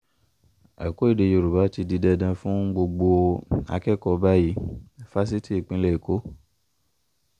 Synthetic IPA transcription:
a̰˨ko˦i˦˨de˧˨jo˧˨ɾu˨ba˨˦ti˧di˧dɛ˧dã˧fũ˦ɡ͡bo˧ɡ͡bo˧a̰˧kɛ˦kɔ˧ba˦ji˨˦˨fa˦s̬i˦ti˦e˨k͡pĩ˧lɛ˦e˨ko˨˦

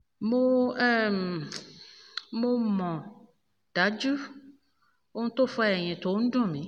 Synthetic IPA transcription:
mõ˦ɛ˦m˨ | mõ˦mɔ̃˨ | ɖ̥a˨˦d͡ʒu˦ | wo˦ŋ̩̃˦t̪o˦fɔ˦a˦ɛ˨ɲɛ̃˨t̪o˨wo˦ŋ̩˦ɖɔ̃˦˨mẽ˨˦

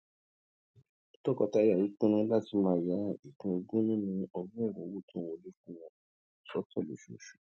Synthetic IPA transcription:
tɔ˦˨kɔ˨˧ta˧˦ja˦˨ji˨˦k͡pũ˦nũ˦la˦˨ti˧˦mãː˦˨ja˨˦i˦˨kũ˨˧i˧ɡũ˦nĩ˦nĩ˧ɔ˧bũ˦ɛ˦˨ɾũ˨˦wo˦˨tʰũ˦wo˧˨le˦kũ˦˨w̃ɔ̃˧˨ | sɔ˨˦tɔ˦˨lo̰˨ʃo̰˨ʃu̥˨

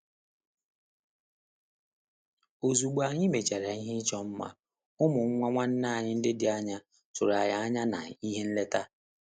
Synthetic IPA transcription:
o˨zu˨ɡ͡ba˨ɲɪ˦me˨t͡ʃa˨ɾa˨i˦ɦɪ˦t͡ʃɔ˦m̩˦ma̰˦ | ʊ˦mʊ˨˦ŋʷa˦ŋʷa˦n̩˦na˦˨ɲɪ˦n̩˦dɪ˦dɪ˨a˦ɲa˦ | tʊ˨ɾa˨ja˨˦a˦ɲa˦na̰˨i˦ɦe˦n̩˦le˦ta˦

